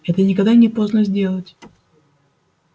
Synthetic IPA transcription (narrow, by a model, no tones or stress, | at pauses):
ɛt̪ənʲɪkɐɡd̪anʲɪpo̞znəzʲdʲe̞lˠətʲ